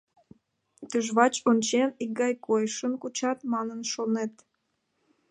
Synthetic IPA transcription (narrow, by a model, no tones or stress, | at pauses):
t̪yʒβɑt͡ɕonʲt͡ɕenik̚ɡɑjkojʃənkut͡ɕɑt̪mɑnənʃonet̪